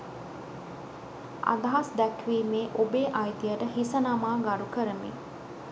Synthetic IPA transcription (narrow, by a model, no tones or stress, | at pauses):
a̰d̪ɐɦasd̪ɛkʋiːmeːʔobeːʔajt̪ijəʈəɦisənamaːɡaɾukəɾəmḭ